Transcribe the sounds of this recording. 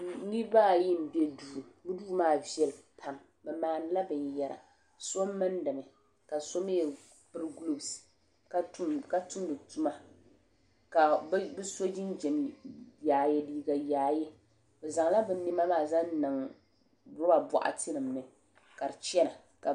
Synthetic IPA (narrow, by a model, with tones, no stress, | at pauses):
ni˦baː˦˨ji˦m˨bɛ˦duː˦˨bu˦duː˦maː˦vɛ˦lpʰa˦m | bɛ˨maː˨n˨˦la˦bɨ˨ɲ˨jɛ˦ɾa̰˨ | so˦m˦mɨ˦ndɨ˨mɨ˨ | ka˨so˦me˦jɛ˨ | pɨ˦ɾɨ˦ɡu˦lo˦bsi̥˨ | ka˦tka˨tu˦mdɨ˨tu˦ma˦ | ka˨˦bɨ˦so˦d͡ʒi˦n˦d͡ʒɛ˨mjaː˨jɛ˦diː˦ɡa˨jaː˨je˦ | bo˨za˨ŋ˦la˦bɨ˨ni˦ma˦maː˦˨za˦ŋnɨ˨ŋ | bʊ˦ba˨bɔ̰˨ʔa̰˨tʰɨ˦nɨ˨mːɨ˨ | ka˨ɾɨ˨t͡ʃɛ˦na˨ | ka˨